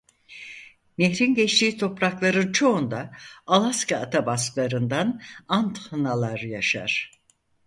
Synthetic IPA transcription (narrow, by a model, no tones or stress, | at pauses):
meçɾinɟɛt͡ʃt̪iːt̪ʰo̞pɾaklˠaɾɯt͡ʃʰo̞und̪aalˠaskaːt̪ʰabasklˠaɾɯnd̪anant̪hɯnalˠaɾjaʃa̰ɾ̥